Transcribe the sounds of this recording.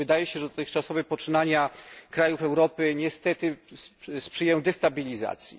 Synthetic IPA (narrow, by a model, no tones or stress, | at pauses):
ɘd̪ajɛɕɛʐɛd̪ɔt̪ɘxt͡ʂasɔvɛpɔt͡ʂɘnaɲakɾajufɛwɾɔpɘɲɛst̪ɛt̪ɘsspʂɘjɛw̃d̪ɛst̪abʲilʲiza̰t̪sʲji